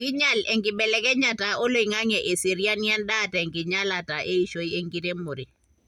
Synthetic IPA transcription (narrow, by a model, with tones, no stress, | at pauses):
ki˦ɲa˦lɛ˨ŋɡɪ˨bɛ˨lɛ˨kɛ˦ɲa˨ta˨ɔ˦lo˨i˨ŋa˦ŋɛ˨ʔe˨si˨ɾja˦nja˦nda˦taɛ˨ŋkɪ˨ɲa˦la˨ta˨ʔe˦i˨ʃo˦je˦ŋɡi˦te˦mo˨ɾe˨